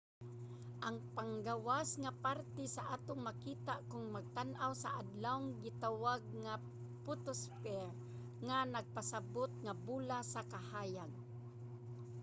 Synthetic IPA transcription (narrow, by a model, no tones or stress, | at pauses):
ʔaŋpaŋɡawasŋapaɾt̪ɛsaʔaːt̪oŋmakiːt̪aʔkʊŋmaɡ̚t̪anʔawsaʔad̪lawŋɡɪt̪awaɡ̚ŋa | pʊt̪ʊspɛɹ | ŋanaɡ̚pasabot̪̚ŋabuːlasakahaːjad̚